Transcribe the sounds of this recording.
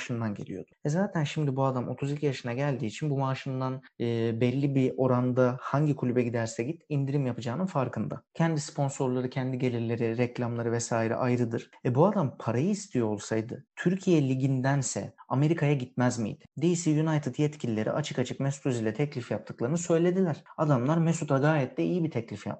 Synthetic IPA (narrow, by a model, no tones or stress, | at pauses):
ʃɯnd̪anɟelʲḭjo̞d̪̥ʊ̥vɛzaːt̪ʰænʃimd̪ibuad̪amʔo̞t̪ʰuzicʰʲjaʃɯnaɟælʲd̪iːt͡ʃʰinbumaʃɯnd̪anɯːbɛlʲːibio̞ɾand̪ahaɲɟikʰulʲybɛɟid̪æɾsɛɟit̪ind̪iɾimjapʰɯd͡ʒaːnɯnfaɾkʰɯnd̪a̰cʰɛnd̪ispʰo̞nso̞ɾlˠaɾɯcʰɛnd̪iɟe̞lʲiɾlʲe̞ɾeɾɛclʲamlˠaɾɯvɛsaːiɾɛ̰ʔajɾɯd̪ɯɾ̥ɛbuad̪ampʰaɾajɯist̪ʰijoo̞lˠsajd̪ɯ̰t̪ʰyɾcʰijɛlʲiɟind̪ænsɛ̰ame̞ɾikʰajaɟit̪̚mæzmḭjd̪ɪ̥d̪ejisɛjunajt̪ʰɯt̪jɛt̪cʰilʲilʲe̞ɾʔḭʔat͡ʃʰɯkat͡ʃʰɯkmɛsu̥t̪ʰyzilʲɛt̪ʰɛclʲifjap̚t̪ʰɯ̥klˠaɾɯnɯsø̞jlʲe̞d̪ilʲæɾ̥ad̪amlˠaɾmɛsut̪ʰaɡaːjɛt̪lːɛijibit̪ʰɛclʲifja̰p